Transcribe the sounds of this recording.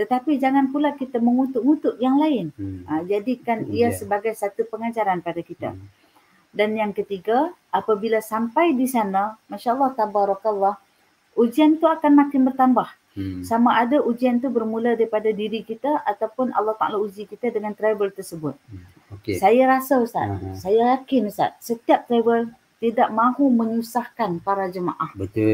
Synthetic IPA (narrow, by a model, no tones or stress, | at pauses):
t̪ət̪apid͡ʒaŋanpulakit̪aməŋut̪ʊʔ̚ŋut̪ʊʔ̚jaŋlaɪnəd͡ʒadikaniasəbaɡajsat̪upəŋat͡ʃaɾanpadakit̪a̰ | danjaŋkət̪iɡaʔapabilasampajdisanamaʃaəlˠːɑht̪abaɾɔklːɑh | ud͡ʒiant̪uakanmak̪ɪnbərt̪ambah | samaʔadaʔud͡ʒiant̪ubərmuladaɾipadadiɾikit̪aʔat̪awpʊnʔɑ̰lːɑht̪a̰ʔa̰laud͡ʒikit̪adəŋant̪ɾabəlt̪ərsəbʊt̪̚ | okesajaɾasaəsa̰t̪̚sajajakɪnsa̰t̪̚sət̪iap̚t̪ɾabəl | t̪idaʔmãɦumə̃ɲusahkanpaɾad͡ʒəma̰ʔahbət̪